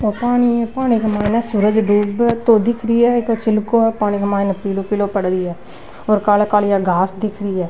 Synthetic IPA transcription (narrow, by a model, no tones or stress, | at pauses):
oːpaːɽ̃iɛpaːñiɡəmaːɪnɛsʊɾəd͡ʒɖuːbt̪oːd̪ɪkʰɾiːɛːkot͡ʃɪlkoɛpaːɽ̃ikəmaːɪnɛːpiloːpiloːpəɽɾiːɛː | ɔːɾkaːlkaːljaːɡaːsd̪ɪkʰɾiɛː